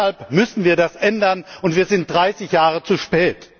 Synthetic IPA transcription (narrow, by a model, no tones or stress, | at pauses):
alpmʏsn̩viːɐdasʔɛndɐnʔʊntv̥iːɐzɪnt̚d̥ʁaɪsɪçjaːʁət͡suʃpɛːt